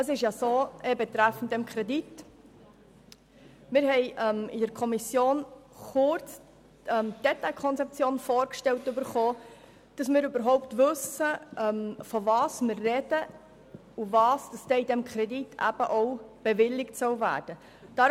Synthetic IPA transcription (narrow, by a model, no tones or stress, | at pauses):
əs̬ɪʃjɑsoːʔɛbɛt̪ɾæfn̩t̚dɛmkʰɾɛdit | mɪːɾɦɛɪʔɛmid̥əɾkʰɔmisjoːn | χʊɾt͡s | ɛmd̥ɛtɑɪkʰɔnt͡sɛp̚t͡sjoːnfoːɾkʃtɛwtːʉbəɾχoː | d̥ɑsmɪːɾybəɾɦɔʊptʋɵsəʔɛmfɔvɑːsmɪrːɛd̥ə | uvɑːsd̥ɑsd̥ɛːidɛmkʰɾɛditʰːæ̰b̥əʔɔʊb̥ɛvɪlːɪktsœwvæ̰ːɾd̥ə | d̥ɑ